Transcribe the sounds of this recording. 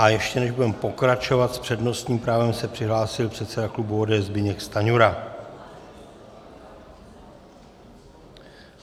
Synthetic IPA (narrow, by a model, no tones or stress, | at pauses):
ʔajɛʃcɛnɛʒbudɛmpo̞kɾat͡ʃo̞vat̪spr̥ɛdno̞st̪ɲiːmpɾaːvɛmsɛpr̥ɪɦlaːsɪlpr̥ɛt̪sɛdaklubuoːdɛːɛzbɪɲɛkst̪aɲuɾa